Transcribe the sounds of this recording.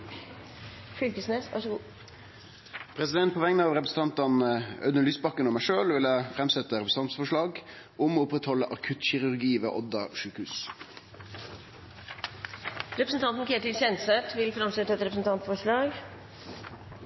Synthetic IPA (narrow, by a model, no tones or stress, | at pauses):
fʏlkəsneːsɑ̰ʂː | pʰɾɛsɪd̪ɛnt̪̚pʰɔʋɛŋnəɑʋɾɛpɾəsn̩t̪ɑnt̪ɑnœ̰d̪əlyːsbɑkːənɔmæɪʂøːlʋɪlæfɾɛmsɛt̪ːəɾɛpɾs̩ɑnt̪sfɔʂɭɑːɡ | ʊmɔːʊpɾɛt̪hɔlːəʔɑkʰʉt̪çɪɾʉɾɡiːʋḛːʔɔd̪ɑʂʉːkʉːs | ɾɛpɾəsən̩t̪ʰɑnt̪n̩kʰɾeːt̪ɪlsɛnsət̪ʰʋɪlfɾɑmsɛt̪ːəɛt̪ɾɛpɾsn̩t̪ɑnt̪fɔʂɭɑːɡ